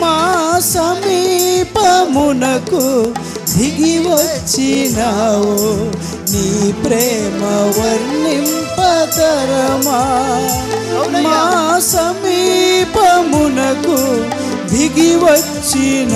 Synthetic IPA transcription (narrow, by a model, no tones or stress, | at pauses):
masɐmipɐmunɐku | b̪ʱiɡiʋɐt̪t͡ʃinaʋo | nipɾemɐʋɐɾnimpɐt̪ɐɾɐma | masɐmiːpɐmunɐku | b̪ʱiɡiʋɐt̪̚ | t͡ʃin